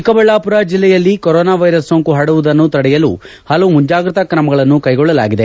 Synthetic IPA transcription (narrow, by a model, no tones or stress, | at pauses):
ikɐbɐɭːaːpuɾad͡ʒilːɛjɐlːikɔɾɔːnaːʋɐjɾɐsːoːŋkuɦɐɽuʋud̪ɐnːut̪ɐɽɛjɐlṵ | hɐlɐʋumuɲd͡ʒaːɡɾɐt̪ɐkɾɐmɐɡɐɭɐnːukɐjɡɔɭːɐla̰ːɡid̪e̞